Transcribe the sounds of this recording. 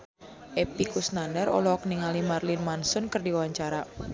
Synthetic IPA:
ʔɛpikusnanərɔ̰lɔk̚niŋalimarlinmansʊnkɨrdiwawaɲt͡ʃaɾa

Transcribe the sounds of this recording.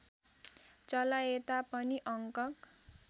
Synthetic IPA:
t͡sʌlaet̪apʌniʔʌŋkʌk

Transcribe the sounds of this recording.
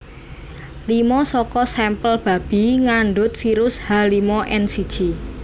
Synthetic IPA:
limɔsɔkɔsɛmpəlb̥a̤b̥i̤ŋaɳɖʊt̪̚fiɾʊshalimɔʔɛnsid̥ʒ̥i

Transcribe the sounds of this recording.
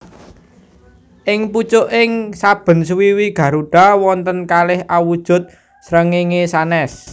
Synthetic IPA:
ʔɪŋput͡ʃʊʔɪŋsab̥ə̤nswiwiɡ̥ä̤ɾuɖ̥a̤wɔnt̪ənkalɪhʔawud̥ʒ̥ʊ̤t̪̚ | sɾəŋiŋesanɛs

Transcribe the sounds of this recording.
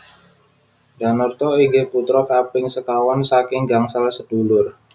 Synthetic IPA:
danɔrt̪ɔiɡɛput̪ɾɔkapɪŋsəkawɔnsakɪŋɡaŋsalsət̪ulʊr

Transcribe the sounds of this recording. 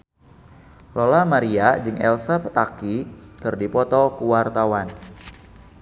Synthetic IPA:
lolamaɾiad͡ʒɨŋɛ̰lsapə̥t̪akikɨrdipɔt̪ɔkuwart̪awan

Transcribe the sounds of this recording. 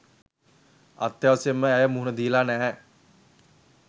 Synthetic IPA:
a̰t̪ːjaʋasemːəæjəmuɦunəd̪iːlaːnæː

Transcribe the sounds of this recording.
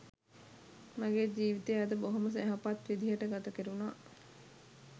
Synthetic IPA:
maɡeːd͡ʒiːʋit̪eːad̪əboɦoməs̬ɛɦapat̪ʋid̪iɦəʈəɡat̪əkeɾunaː

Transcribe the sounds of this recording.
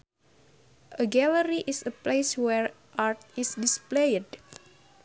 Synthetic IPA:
ʔəɡɛləɾiʔisəpleswɛɹ | ʔaɹt̪̚isdisplejd

